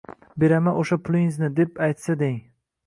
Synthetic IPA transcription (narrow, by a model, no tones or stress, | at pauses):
be̞ɾamanoʃapʰʊlˠɪŋznɪd̪epajt̪sad̪eŋ